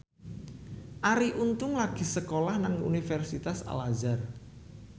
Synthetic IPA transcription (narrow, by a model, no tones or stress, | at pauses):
ʔaɾiʔunt̪ʊŋlaɡ̥i̤səkolahnaŋṵnifɛrsit̪asa̰lazar